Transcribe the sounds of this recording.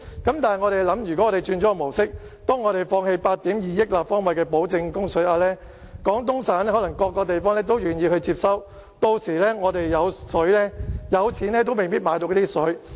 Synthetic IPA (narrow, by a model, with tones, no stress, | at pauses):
kɐ˨˥mt̪aː˨ŋɔː˨˧ɾe˨jlɐ˨˥mjy˨kɔ˨˦˥ɔː˨˧ɾe˨˩jt͡ʃyː˧nt͡ʃɔː˨˥˧mo˨˩wsɪ˥k̚ | t̪ɔː˥ŋːɔː˨˧ɾe˨jfɔː˧ŋhe˧jpaː˧t̚t̪iː˨˥mjiː˨jɪ˥k̚laː˨p̚fɔː˥ŋwɐ˨jkɛː˧po˨˥wt͡sɪ˧ŋkʊ˥ŋsɵ˨˥ɥaː˧lɛː˥ | kɔː˨˥ŋt̪ʊ˥ŋsaː˨˥nɛ˥hɔ˨˥lɐ˨˩ŋkɔː˧kːɔː˧t̪e˨jfɔː˥ŋlɛː˥t̪o˥wjyː˨njiː˧hɵ˧t͡siː˧p̚sɐ˥w | t̪o˧wsiː˨˩lɛː˥ŋɔː˨˧t̪e˨jːɐ˨˧wsɵ˨˥ɥlɛː˥jɐ˨˧wt͡sʰiː˨˥nɛː˥t̪̬o˥wme˨jpiː˥t̚maː˨˧jt̪o˧kːɔ˨˧˥t̪iː˥sɵ˨˥